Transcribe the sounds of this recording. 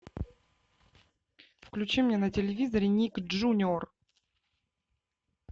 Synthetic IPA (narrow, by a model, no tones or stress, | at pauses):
fklʲʉt͡ɕimnʲenətʲɪlʲɪvʲizəɾʲɪnʲikʐunʲor